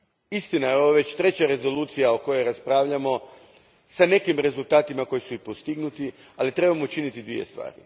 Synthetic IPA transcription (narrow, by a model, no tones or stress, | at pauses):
ist̪inajeo̞ʋaʋe̞t͡ɕt̪ɾe̞t͡ɕaɾe̞zo̞luːt̪sijaoko̞jo̞jɾaspɾaːʋʎamo̞ | sane̞kimɾe̞zulˠt̪aːt̪imako̞jisuipost̪iɡnut̪ialit̪ɾe̞bamout͡ʃinit̪id̪ʋḭje̞̰st̪ʋa̰ːɾḭ